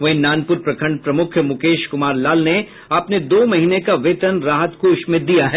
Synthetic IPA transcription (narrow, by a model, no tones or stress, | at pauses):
ʋɐɦĩnaːnpʊɾpɾɐkʰə̃ɳɖ̚pɾɐmʊkʰjmʊkeːʃkʊmaːɾlaːlne | ɐpned̪oːmɐɦiːnekaʋeːt̪ənɾaːɦət̪koɪʃmɪt̪̚d̪ijaɦɛː